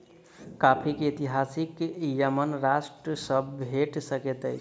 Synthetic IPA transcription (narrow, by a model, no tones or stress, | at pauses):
kapʰikeet̪iɦasikjəmənɾasʈɾəsəbʱeʈsəket̪əjt͡ʃʰ